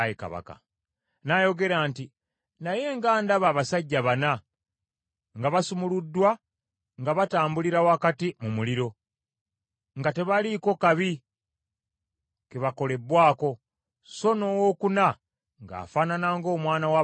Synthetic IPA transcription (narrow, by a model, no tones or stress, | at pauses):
jeka̰βa̰ka̰ | najo̞ɡe̞ɾaːnti | naje̞ŋɡaːndaβaːβasaɟːaβana | ŋɡaβasumuludːwa | ŋɡaβataːmbuliɾawakatimumuliɾo̞ | ŋɡate̞βaliko̞kaβi | keβako̞le̞bwaːko̞ | so̞no̞wo̞ːkuna | ŋɡa̰ːfaːnanaŋɡo̞ːmwaːnawa